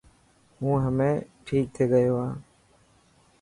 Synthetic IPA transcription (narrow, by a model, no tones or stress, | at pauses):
ɦũːɦəmẽːʈʰiːk̚t̪ʰeːɡəjoːãː